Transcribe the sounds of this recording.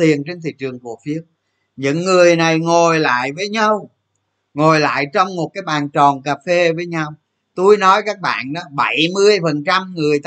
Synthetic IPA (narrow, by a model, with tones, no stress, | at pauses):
i˨˩ənt͡ɕe˧nt̪ʰḭ˧˨t͡ɕɨ˨˩əŋku˧˩əfi˨˦˥əp̚ | ɲɨ̰˧˥ŋːɨ˨˩əjna˨˩jŋo˨˩jla̰ː˧˨jvəː˨˦jɲa˧w | ŋo˨˩jla̰ː˧˨jt͡ɕɔ˧wŋ͡mmo˨˩t̚kaː˨˦jɓaː˨˩nt͡ɕɔ˨˩nkaː˨˩fe˧vəː˨˦jɲa˧w | t̪u˧jnɔ˨˦jkaː˦˥k̚ɓa̰ː˧˨nɗɔ˨˦ɓə˧˩jmɨ˧əjfə˨˩nt͡ɕa˧mŋɨ˨˩əjt̪